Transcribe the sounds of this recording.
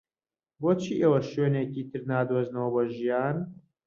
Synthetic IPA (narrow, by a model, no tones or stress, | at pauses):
boːt͡ʃʰiːʔewɐʃøːneːciːt̪ʰɨɾnaːd̪oːznɐwɐboʒijaːn